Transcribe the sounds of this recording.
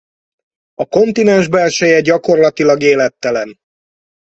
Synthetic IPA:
ɒko̞nt̪inɛnʒbɛlʃɛjɛɟɒko̞rlɒt̪ilɒɡeːlɛt̪ːɛlɛn

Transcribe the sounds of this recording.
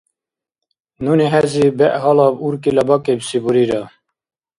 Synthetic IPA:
nuneɦɛzibɛʔhɑlɑbuɾkilɑbɑkebsibuɾiɾɑ

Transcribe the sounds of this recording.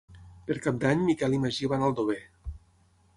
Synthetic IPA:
peɾkap̚d̪aɲmikɛliməʒiβanəlˠd̪oβe

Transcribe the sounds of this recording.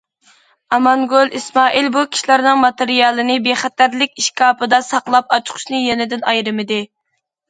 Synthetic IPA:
ɑmɑŋɡolˠismɑːʔilbukʲʰi̥ʃlæɾnɨŋmɑt̪eɾijɑlˠɨnɪbeχæt̪æɾlɪkʲiʃkɑːpɨd̪ɑsɑqlˠɑp̚ɑt͡ʃʰqʰʊ̥ʃnɨjɛnɪd̪ɪnɑjɾɨmɪd̪ɪ

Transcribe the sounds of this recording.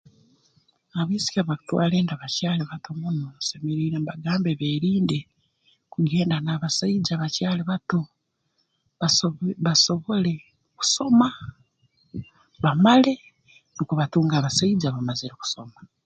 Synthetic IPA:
aβiːsi̥kaβaku̥twa̰ːleːndaβacaːliβatumunosemeɾiːɾembaɡaːmbeβeɾiːnde | kuɡe̞ːndanaːβasaid͡ʒaβacaːliβatu | βaβaso̞βole̞ | ku̥so̞ma | βamale̞ | nukuβatuːŋɡaːβasaid͡ʒaβamaziɾeku̥so̞ma

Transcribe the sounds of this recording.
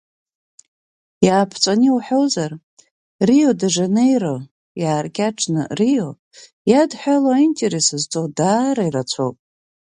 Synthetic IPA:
jaːpʰt͡sʷʼaniuħᶣo̞wzar | rijodaʐanejrɨ | jaːrkʲʼaʈ͡ʂʰnɨ̰rijo̞ | jadħʷᶣalaaintʼeɾesɨzt͡sʼodaːɾairat͡sʷʰo̰wpʼ

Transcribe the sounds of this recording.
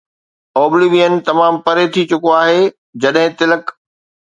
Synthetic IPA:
ɔːbliʋijənɪ̆t̪ɐmaːmpɐɾet̪ʰit͡ɕʊkoaːɦeː | d͡ʑɐɗɦɪ̃t̪ɪlək

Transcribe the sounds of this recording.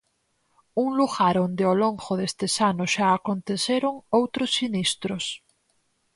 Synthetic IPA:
uŋluɣaɾond̪eoloŋxoðest̪esanoʃaakont̪eθeɾoŋowt̪ɾosːinist̪ɾos

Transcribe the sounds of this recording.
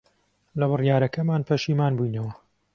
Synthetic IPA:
lɐβɨrjaːɾɐkɐmaːnpʰɐʃiːmaːnbujnɐwɐ

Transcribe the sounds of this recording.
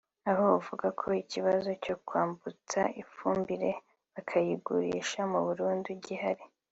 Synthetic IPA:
aɦo̞uvuɡakʰo̞iciβazo̞co̞kwaːmbut͡sa̰ifuːmbiɾe̞ | βakʰajiɡuɾḭʃamuβuɾuːnduɟihaɾi

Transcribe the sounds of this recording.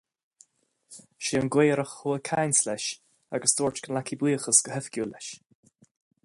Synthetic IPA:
ʃiənɡweːɾəxhuːəkʰajnslɛʃ | aɡəsd̪oːɹt͡ʃkənlakʰibwiːxəsɡ̥əhɛfkʲjuːlɛʃ

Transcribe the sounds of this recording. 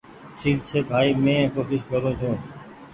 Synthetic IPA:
t͡ʃʰiːd̪t͡ʃʰeːbʱaːiːmẽːkoːʃɪʃkəɾõːt͡ʃʰõː

